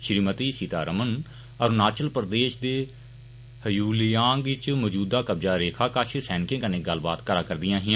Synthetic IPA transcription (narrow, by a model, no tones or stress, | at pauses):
ʃɾiːmət̪iːsit̪a̰ːɾəmən | əɾnaːt͡ʃəlpɾd̪eːʃd̪eː | həjuːlɪjaːŋɡʋɪt͡ʃmɔːd͡ʒuːd̪aːkəb̚d͡ʒaːɾeːkʰaːkət͡ʃʰsɛːnɪkẽːkənẽːɡəlba̰ːt̪kəɾaːkəɾd̪ɪjãːɦɪ̃